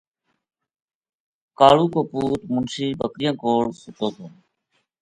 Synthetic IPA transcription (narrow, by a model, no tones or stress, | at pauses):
kaːɭuːkoːpuːt̪mʊnsiːbəkɾɪjãːkoːɽsʊt̪oːt̪oː